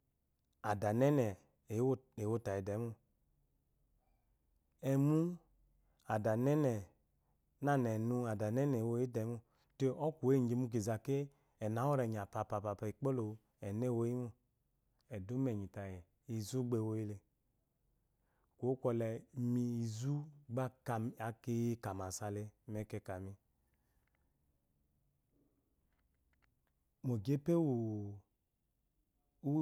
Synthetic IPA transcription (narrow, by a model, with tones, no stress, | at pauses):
a˨da˨nɛ˦nɛ˨˦ | e˨wo˦ta˨ji˨dɛ˨˦mu˦ | ɛ˨mu˦ | a˨da˨nɛ˦nɛ˨ | na˦nɛ˨nu˧a˨da˨nɛ˦nɛ˨wo˦i˦dɛ˨˦mu˦ | te˦ɔ˦ku˨e˦˨d͡ʒe˨mu˦k̬e˨za˨ke˦ | ɛ˨na˨˦wɔ˦ɾɛ˨ɲ˨a˨pa˨pa˨pa˨pa˨i˨k͡po˦lo˨ | ɛ˨nɛ˦˨wo˦i˦mu˨ | ɛ˨du˨˦mɛ˨ɲi˨ta˨jɛ˨ | i˨zu˦ɡ͡be˨wo˧˦ji˦le˨ | ko˨˦kʷɔ˧lɛ˨mi˧i˨zu˦ɡ͡ba˦ka˨a˨ke˦ka˨ma˨sa˨le˧mɛ˨kɛ˧ka˨mi˧ | mo˨ɡe˦pe˦wu˨ | u˦